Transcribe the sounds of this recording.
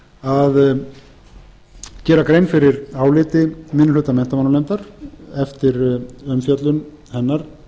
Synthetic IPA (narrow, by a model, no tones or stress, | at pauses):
að | cɛːɾakɾejnfɪɾɪɾaːwlɪːt̪ɪmɪnʏlʏːt̪amɛht̪amanʏlɛnt̪aɾɛft̪ɪɾœmfjœt̪lʏn | hɛnːaɾ̥